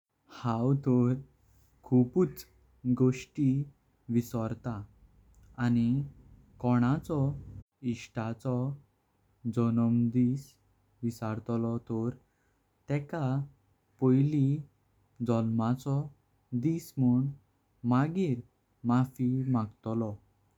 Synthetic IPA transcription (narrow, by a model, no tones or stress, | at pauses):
hawt̪ɔɾ | kʰuput͡s | ɡoʂʈi | ʋisɔɾt̪aː | ni | kɔɽ̃at͡sɔ | iɕʈat͡sɔ | d͡zɔnɔmd̪is | ʋisaɾt̪lɔt̪ɔɾ | t̪ɛka | pɔjli | d͡zɔlmat͡sɔ | d̪ismuɳ | maɡiːɾ | mafimaɡt̪ɔlɔ